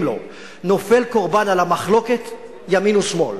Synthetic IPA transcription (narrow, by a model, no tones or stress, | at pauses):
mlo̞̰ | no̞fe̞lko̞ʁbanalamaχlo̞ket̪ | jaminusmo̞̰l